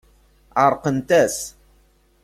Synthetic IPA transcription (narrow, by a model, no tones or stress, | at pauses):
ʕəɾˤqənt̪æs